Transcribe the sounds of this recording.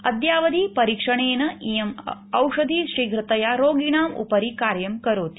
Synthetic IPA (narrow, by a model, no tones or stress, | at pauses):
ɐ̰d̪jaːʋɐd̪ʱiːpɐɾiːkʂɐɳeːnɐijɐmɐwʂɐd̪ʱiːʃɾiːɡɾɨt̪ɐjaɾoːɡiɳaːmṵpɐɾikaːɾjɐmkɐɾoːt̪i̥